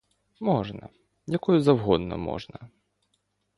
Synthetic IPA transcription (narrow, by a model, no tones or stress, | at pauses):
mɔʐnɐ̰ | jɐkɔjʊzɐwɦɔd̪nɔ̰mɔ̰ʐnɐ